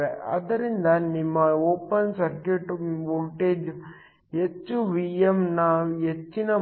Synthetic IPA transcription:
eɐ̰d̪ɐɾind̪ɐnimːɐoːpɐnsɐɾkiʈʋoɡʈeːd͡ʒ | et͡ʃːuʋiːjemnɐet͡ʃːinɐ

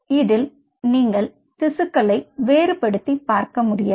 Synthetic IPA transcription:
ɪðɪl | niːŋɡɐɭ | t̪ɪsɯkːɐɭɐɪʋeːɾɯpɐɽɯt̪ːipːaːɾkɐmʊɽɪjɐ

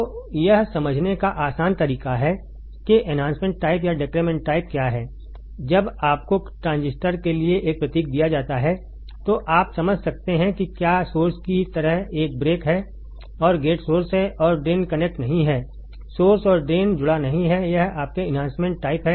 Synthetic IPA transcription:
ojɐɦsɐməd͡ʒʱnekaʔaːsaːnt̪ɐɾiːkaɦɛ | kiʔɛnãːnsmẽːɳʈːaːɪpjaɖɪkɾeːmɛ̃ːɳʈʈːaːɪp̚kjaːɦɛː | d͡ʒɐbaːp̚koʈɾãːnzɪsʈəɾkelieʔeːk̚pɾɐt̪iːk̚d̪ijad͡ʒaːt̪aɦɛ | t̪oʔaːpsɐməd͡ʒʱsɐk̚t̪eɦɛ̃kikjaːsoːɾskit̪ɐɾəɦeːk̚bɾeːkɦɛ | ɔːɾɡeːʈsoːɾsɦɛʔɔːɾɖeːnkɐnɛk̚ʈnɐɦĩɦɛː | soːɾsɔːɾɖeːnd͡ʒʊɽanɐɦĩɦɛjɐɦaːp̚keɪnɦãːnsmẽɳʈːaːɪpɦɛ

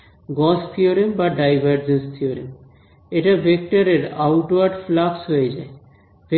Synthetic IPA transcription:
ɡɔst̪ʰioɾimbaɖajbʱaɾd͡ʑenst̪ʰioɾim | eʈabʱek̚ʈaɾeɾawʈwaɾɖflaksɦojed͡ʑae | bʱe

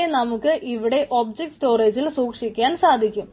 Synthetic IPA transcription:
enɐmukːɨʔiʋiɽe̞ʔo̞ːbd͡ʑek̚ʈsʈo̞ːreːd͡ʑilsuːkʂikʲːaːnsaːd̪ʱikʲːum

